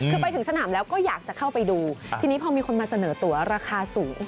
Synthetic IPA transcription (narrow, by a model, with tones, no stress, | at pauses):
kʰɯː˧pa˧jt̪ʰɯ˩˦ŋsa˧naː˩˦mlɛː˦˥wkɔː˥˩jaː˨˩k̚t͡ɕa˨˩kʰa˥˩wpa˧jduː˧t̪ʰiː˧ni˦˥pʰɔː˧miː˧kʰo˧nmaː˧sa˧nɤː˩˦t̪u˨˩˦ɐɾaː˧kʰaː˧suː˩˦ŋ